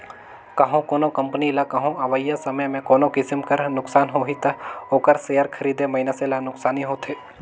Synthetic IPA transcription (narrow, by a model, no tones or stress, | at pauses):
kɐɦõkoːnokɐ̃mpənilakɐɦõɐʋəjːasɐməjmẽkoːnokɪsɪmkɐɾnʊksaːnɦoːɦit̪ɐoːkəɾseːjəɾkʰɐɾiːd̪emɐɪnəselanʊksaːniɦoːt̪ʰeː